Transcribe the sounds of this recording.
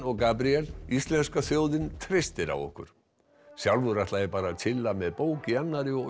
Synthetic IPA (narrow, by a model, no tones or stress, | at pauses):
ɔɣkaːpɾiɛlist̪lɛnskaθjoːwðɪnt̪ʰɾejst̪ɪɾa̰wɔ̰hkʏ̰ɾ̥ | sjawlvʏɾaht̪lajɛɾpaːɾat̪ʰɪlːamɛðpoːwcɪanːaɾɪɔ